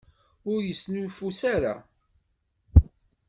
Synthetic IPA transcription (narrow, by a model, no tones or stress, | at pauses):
ʊɾjəsnulfusaɾa̰